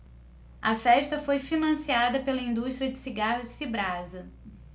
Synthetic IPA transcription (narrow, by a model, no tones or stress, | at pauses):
ɐfɛʃt̪ɐfojfinɐ̃siad̪ɐpelɐĩnd̪uʃt̪ɾiɐd͡ʒɪsiɡahʊsibɾazɐ